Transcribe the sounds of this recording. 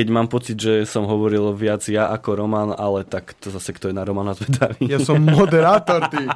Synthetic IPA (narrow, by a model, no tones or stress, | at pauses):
ɛɟmaːmpɔt͡sid̪ʒɛsɔmɦɔʋɔɾilʋɪad͡zjaʔakɔɾɔmanalɛt̪akt̪ɔzasɛkt̪ɔjɛnaɾɔmanazʋɛd̪aʋijasɔmːɔd̪ɛɾaːt̪ɔɾt̪i